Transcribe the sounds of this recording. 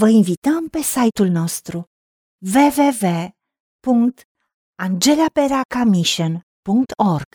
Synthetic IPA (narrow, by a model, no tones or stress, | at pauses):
vəinvit̪əmpe̞sajt̪ulno̞st̪ɾu | ve̞ve̞ve̞ | puŋkt̪ | and͡ʒe̞lape̞ɾakamiʃən | puŋkt̪ʰo̞rɡ̥